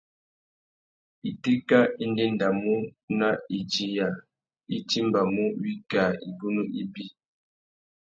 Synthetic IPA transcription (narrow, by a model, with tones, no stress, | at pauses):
i˨ti˦ka˦i˦n˦de˦n˨da˨mu˦na˦i˨d͡ʒi˨ja˨ | i˦ti˦m˨ba˨mu˦wi˦ka˨i˨bu˦nu˦ʔi˦bi˦